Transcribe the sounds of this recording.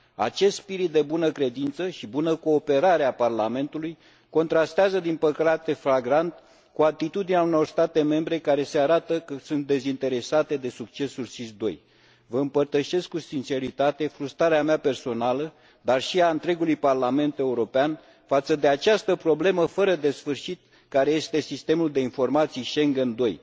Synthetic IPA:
a̰t͡ʃe̞st̪spiɾit̪̚d̪e̞bunəkɾe̞d̪int̪səʃibunəko̞ːpe̞ɾaɾeaparlame̞nt̪uluj | ko̞nt̪ɾast̪eazəd̪impəkɾat̪e̞fɾaɡɾant̪ | kuat̪it̪ud̪ineauno̞rst̪at̪e̞me̞mbɾe̞kaɾe̞se̞aɾat̪əkəsunt̪̚d̪e̞zint̪e̞ɾe̞sat̪e̞d̪e̞suk̚t͡ʃe̞sulsisd̪o̞̰j | vəɨmpərt̪əʃe̞skːusint͡ʃe̞ɾit̪at̪e̞fɾust̪ɾaɾeameape̞rso̞nalə | d̪arʃiaɨnt̪ɾe̞ɡulujparlame̞nt̪e̞uɾo̞pean | fat̪səd̪e̞at͡ʃast̪əpɾo̞ble̞məfəɾəd̪e̞sfɨrʃit̪̚ | kaɾeje̞st̪e̞sist̪e̞muld̪e̞info̞rmat̪sijʃe̞ŋɡe̞nd̪o̞j

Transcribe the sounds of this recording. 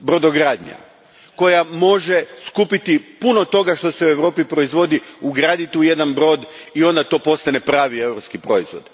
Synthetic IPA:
bɾo̞d̪oɡɾaːd̪ɲa̰ | ko̞jamo̞ʒeskupit̪ipuno̞t̪o̞ɡaʃt̪o̞se̞ue̞ʋɾo̞ːpipɾo̞izʋo̞d̪iuɡɾaːd̪it̪uje̞d̪anbɾo̞ːd̪io̞nd̪at̪o̞ːpo̞st̪ane̞pɾaːʋie̞wɾo̞pskipɾo̞izʋo̞̰d̪

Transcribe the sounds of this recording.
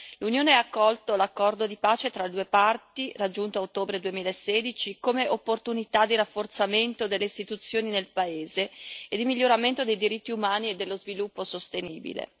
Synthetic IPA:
lunjoːneaːkːɔlt̪olakːɔrd̪od̪ipaːt͡ʃet̪ɾald̪uːepart̪irad͡ʒːunt̪oaot̪ːoːbɾed̪uemiːlaeseːd̪it͡ʃikomeʔopːort̪unit̪ad̪ːirafːort̪sament̪od̪elːeist̪it̪ut̪sːjoːninelpaeːzeed̪imiʎːoɾament̪od̪ejd̪iɾit̪ːiumaːnied̪ːelːozvilupːosost̪enḭːbḭlḛ

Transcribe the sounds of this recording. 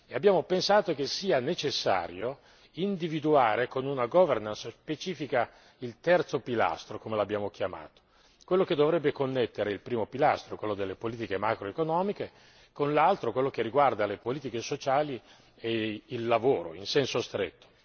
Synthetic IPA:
eabːjaːmopensaːt̪okesiːanet͡ʃesːa̰ːɾjo | ind̪ivid̪uaːɾekonunaɡɔvernansspet͡ʃiːfika | ilt̪ɛrt̪sopila̰st̪ɾokomelabːjaːmok̟jama̰ːt̪o̥ | kwelːok̟ed̪ːovɾɛbːekonːet̪ːeɾeilpɾiːmopilast̪ɾokwelːod̪elːepoliːt̪ikemakɾoekonɔːmike | konlalt̪ɾokwelːok̟erːiɡward̪alepoliːt̪ikesot͡ʃaːli | eilːavoːɾo̰insɛnsost̪ɾet̪ːo̥

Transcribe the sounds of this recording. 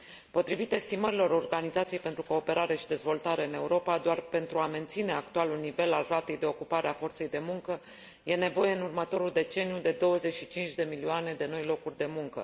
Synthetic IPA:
po̞t̪ɾivit̪e̞st̪iməɾilo̞ɾo̞rɡanizat̪siejpent̪ɾuko̞ːpe̞ɾaɾe̞ʃid̪e̞zvo̞lt̪aɾe̞ɨne̞uɾo̞pad̪oarpe̞nt̪ɾuame̞nt̪sine̞akt̪ualulnive̞lalrat̪e̞jd̪e̞o̞kupaɾeafo̞rt̪se̞jd̪e̞muŋkə | je̞ne̞vo̞je̞ɨnurmət̪o̞ɾuld̪e̞t͡ʃe̞nijud̪e̞d̪o̞wəze̞ʃit͡ʃint͡ʃʲd̪e̞milioaned̪e̞no̞jlo̞kurʲd̪e̞muŋkə̰

